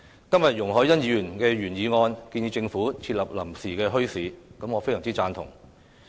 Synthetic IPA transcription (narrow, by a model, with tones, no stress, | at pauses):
kɐ˥mjɐ˨t̚jʊ˨˩ŋɦɔː˨˥jɐ˥njiː˨˧jyː˨˩nkɛː˧ɥyː˨˩njiː˨˧ŋɔː˧nkiː˧niː˨˧t͡sɪ˧ŋfuː˨˥t͡sʰi˧t̚lɐ˨˩p̚lɐ˨˩msiː˨˩kɛː˧ɦɵ˥ɥsiː˨˥kɐ˨˥mŋɔː˨˧fe˥jsɐ˨˩ŋt͡siː˥t͡saː˧nt̪ʰʊ˨˩ŋ